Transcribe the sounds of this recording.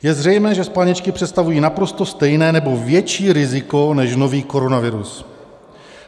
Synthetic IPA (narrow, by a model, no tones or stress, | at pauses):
jɛzr̝ɛjmɛːʒɛspaɲɛt͡ʃkɪpr̥ɛt̪st̪avujiːnapɾo̞st̪o̞st̪ɛjnɛːnɛbo̞vjɛt͡ʃiːɾɪzɪko̞nɛʃno̞viːko̞ɾo̞navɪɾus